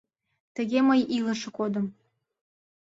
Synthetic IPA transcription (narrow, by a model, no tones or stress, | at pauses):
t̪əɣeməjiləʃĕkod̪ə̆m